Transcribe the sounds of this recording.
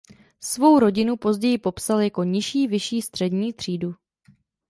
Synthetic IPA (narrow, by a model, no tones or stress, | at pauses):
svo̞wɾo̞ɟɪnupo̞zɟɛjɪpo̞psaljako̞ɲɪʃiːvɪʃiːst̪r̥ɛdɲiːt̪r̝̥iːdu